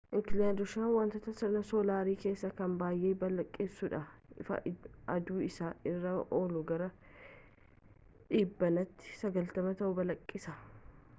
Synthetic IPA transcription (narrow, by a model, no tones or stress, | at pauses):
ʔɪkɪlɪjaːd̪ʊʃaːnwɐnt̪ɐt̪ɐsɐnɐsoːlaːɾiːke̞ːsːɐkɐmbaːjʔeːbɐlɐkʼːɪsːʊᶑɐɪfɐ̰ʔɐd̪uːɪsaːɪrːɐʔoːlʊɡɐɾɐ | ᶑiːbːɐnɐt̪ːɪ̥sɐɡɐlt̪ɐmɐt̪ɐʔʊbɐlɐkʼːɪsɐ